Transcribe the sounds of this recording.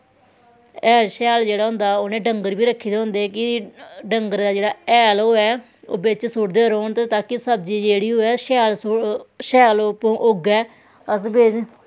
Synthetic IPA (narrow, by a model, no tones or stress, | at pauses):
ɛːlʃɛːld͡ʒeːɽaːɦʊ̃nd̪aːoːnẽːɖəŋɡəɾbiːɾəkʰːiːd̪eːɦʊ̃nd̪eːkɪɖəŋɡəɾd̪aːd͡ʒeːɽaːɛːloːɛː | o̰ːbɪt͡ʃsʊʈd̪eːɾoːɳt̪eːt̪aːkɪsəbd͡ʒiːd͡ʒeːɽiːɦoːɛːʃɛːlsʃɛːlpːʔʊɡɛː | əsbeːd͡ʒ